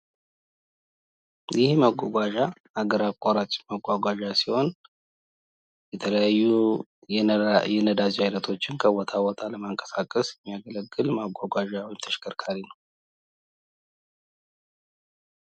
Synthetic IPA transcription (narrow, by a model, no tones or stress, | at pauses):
jʔɪhməɡʷaɡʷaʒa | aɡəɾakʼaɾat͡ʃʼməɡʷaɡʷaʒasiho̞n | jɛt̪ʰələjajːu | jɛnəd̪azihajnət̪ʰo̞t͡ʃːɪnkʰəwɔt̪ʰawɔt̪ʰaləmaŋkʼə̥sakʼːəsjɛmːijaɡələɡːɨlmaɡʷaɡʷaʒawɔjɪmt̪ʰəʃkʰəɾkʰaɾinəw